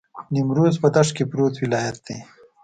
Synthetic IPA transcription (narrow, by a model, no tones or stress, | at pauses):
nɪmɾozpəd̪aʂkepɾot̪wɪlɑːjat̪̚d̪e